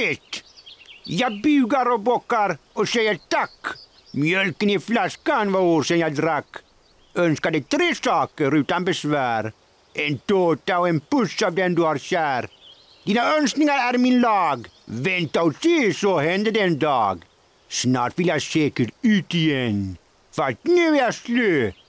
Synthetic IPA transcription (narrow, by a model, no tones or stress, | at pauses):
ɛt̪ | jabʉːɡaɾɔbɔkːaɾɔsɛjəɾt̪ak | mjœlkəniflaskanvaoːɾsɛnjaɪd̪ɾakː | œnskad̪ɛt̪ʰɾeːsɑːkəɾʉːt̪anbɛsvæːɾ | ent̪oːt̪aɔenpʉsɑːvd̪ɛnd̪ʉhaɾɕæːɾ | d̪̥iːnaœnsknɪŋaɾæɾminlɑːɡvɛnt̪aɔsisɔhɛnd̪ədɛnd̪ɑːɡ | snɑːʈʋɪljajseːkəʈʉːt̪ɪjɛn | fat̪nʉːjæslø